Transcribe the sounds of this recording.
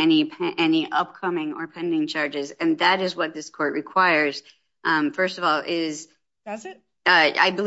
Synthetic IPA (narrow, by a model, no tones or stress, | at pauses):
ɛnipʰʔɛniʔʌp̚kʰʌmɪ̃ŋə̰˞pʰɛ̃ndɪ̃ŋt͡ʃʰɑɹd͡ʒɨzɨ̃nðɨɾɨzwʌt̪̚ðɪskʰɔɹʔ̚ɹɨkʰw̥aɪə˞z̥ | ʔfɜ˞stʌvɔlˠʔɪz̥ | t | ʌa̰ɪbɨ